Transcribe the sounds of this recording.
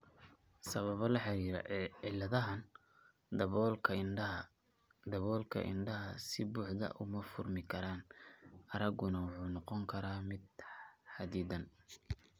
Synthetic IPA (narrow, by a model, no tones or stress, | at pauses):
sɐβɐβɐlɐħɑɾiːɾɐ̰ɪlɐðɐɦɐn | lʰ | d̪ɐβɔːlkʰɐ̰ʔɪ̰nɖɐɦɐsɪbuːħd̪ɐ̰ʔʊ̰mɐfʊrmɪkʰɐɾaːnɐɾɐɣʊnɐwʊħuːnɑqɔŋkʰɐɾaːmɪd̪̚ħɑd̪iːd̪ɐn